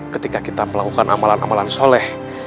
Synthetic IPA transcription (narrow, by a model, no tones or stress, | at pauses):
kət̪ikakit̪aməlakukanʔa̰malana̰malansolɛh